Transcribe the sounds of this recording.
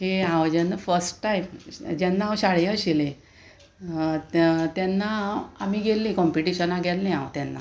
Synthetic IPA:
ɦeãwd͡ʑɛnːəfəɾsʈʈajmd͡ʑɛnːaawɕaɽjəɕilẽ | t̪ɛnːaːmiɡʱelːĩkɔmpiʈiɕənaɡʱɛlːẽawt̪jɛnːa̰

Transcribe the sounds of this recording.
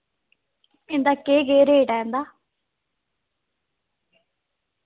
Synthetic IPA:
end̪aːkeːɡeːɾeːɖaend̪aː

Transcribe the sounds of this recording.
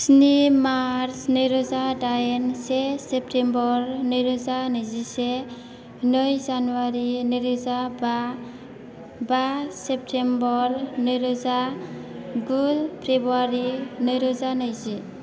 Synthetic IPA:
snimaɾsnɯjɾɔzadajensesep̚tʰembɔɾnɯjɾɔzanɯjzise | nɯjzanuaɾinɯɾuzaba | basep̚tʰembɔɾnɯjɾɔza | ɡulpʰɾebuaɾinɯjɾɔzanɯjzi

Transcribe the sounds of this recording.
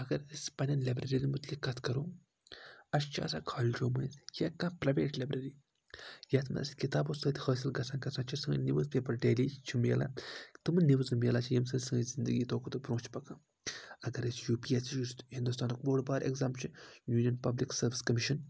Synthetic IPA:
ɐɡɐɾɐsʲpɐnʲɐnlɐbɾɐɾinimut̪likːɐt̪ʰkɐɾoː | ɐst͡ʃʰa̰ːsãːkʰaːld͡ʒoːmɐnjɐkːãːpɾɐjʋeːʈlʲɐbɾɐɾiː | jat̪ʰmɐ̰ɐ̰skit̪aːbosəːt̪ʲhəːsilɡɐsãːnkɐsãːt͡ʃʰisɐŋɡə̰niʋəzpeːpɐɾɖeːlit͡ʃʰimjḛla̰t̪ɨmniʋzɨmjelaːt͡ʃʰijɐmsɐsɐŋɡəzind̪əɡiːt̪ʰoːkːt̪upɾõːt͡ʃʰpɐkaː | ɐɡɐɾɐsjuːpiːesit͡ʃushind̪ust̪aːnkboːɽbaːɾḛkzaːmt͡ʃʰijuːnʲijɐnpɐbliksɐɾʋiskɐmiʃɐn

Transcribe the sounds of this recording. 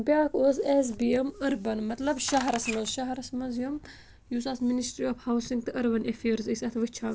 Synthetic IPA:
bjaːkʰoses̬biemɐɾbɐnmɐt̪lɐbʃɐɦɾɐsmɐzʃɐɦɐɾɐsmɐzjum | jusasminisʈɾiɔfhawsiŋɡ̚t̪ɨʔɐɾbɐnʔefeːɾzɨsɐt̪ʰʋɨt͡ʃʰaː

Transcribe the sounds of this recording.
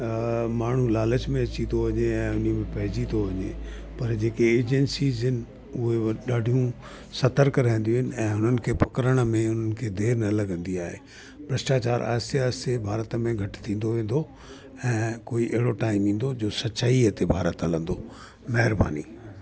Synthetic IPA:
maːɳ̤ulaːlət͡ɕmẽɐt͡ɕĩoʋɐɲeɛ̃ːʊnimẽpɐɦɪd͡ʑĩt̪oʋɐɲepɐɾd͡ʑeːkeːd͡ʑɛnsiːzɦɪnɪ̆ | ʊɦeɗaːɖʱijũ | sɐt̪əɾkɾãːɪ̃n̆d̪ijũɦɪnɪ̆ɛ̃ːɦʊn̤ənɪ̆kʰeːpɐkəɾəɽ̃ə̆mẽʊn̤ənɪ̆kʰeːd̪ʱeːɾnɐlɐɡə̃nd̪iaːɦeː | bɾɪsʈaːt͡ɕaːɾʔa̰ːɦɪst̪eaːst̪ebʱaːɾət̪əmẽɡʱɐʈɪ̥t̪ʰĩːn̆d̪oʋẽːn̆d̪o | ɛ̃ːkoːiʔɪɦɪɽoʈaːɪmĩːn̆d̪od͡ʑoːsɐt͡ɕaːiɐt̪ebʱaːɾət̪ɐlə̃nd̪o | mɐɦɪɾba̰ːnḭː

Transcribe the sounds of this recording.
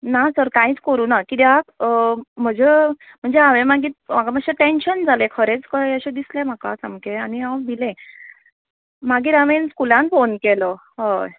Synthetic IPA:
nasəɾkãiːt͡skəɾuːnakit̪iɦak | m̤əd͡ze | m̤əɳd͡zeɦaʋemaɡiːt̪m̤akaməɕeʈenɕənd͡zʱalekʰəɾet͡skəəɕed̪islem̤akasamkeaniawbilẽ | maɡiːɾaʋenskulãnfonkelə | ɦəj

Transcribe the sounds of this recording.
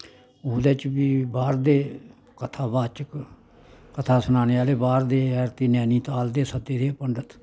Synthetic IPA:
oːd̪eːt͡ʃbiːbaːɾd̪eː | kət̪ʰaːbaːt͡ʃək | kət̪ʰaːsʊnaːneːaːleːbaːɾd̪eːɛɾt̪iːnɛːniːt̪aːld̪eːsəd̪eːd̪eːpəɳɖət̪ʰ

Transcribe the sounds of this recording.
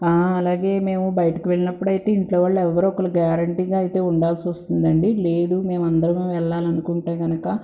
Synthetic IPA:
aːɐlaːɡe̞ːme̞ːmubɐjɐʈɐkiʋeɭinɐpːuɽɐjit̪e̞ːiɳʈloːʋɐːɭːɐɛʋːɐɾoɔkɐlɐɡaːɾɐɳʈiːɡaːjit̪e̞ːuɳɖaːlsiʋɐst̪und̪ɐɳɖile̞ːd̪ume̞ːmɐnd̪ɐɾɐmeːʋɛɭːaːlɐnukuɳʈeːɡɐnɐkɐ

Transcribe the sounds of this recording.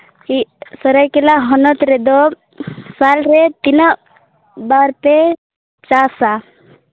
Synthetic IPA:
isəɾajkelaɦɔnɔt̪ɾɛd̪ɔ | salɾet̪inə | baɾt̪e | t͡ʃasa

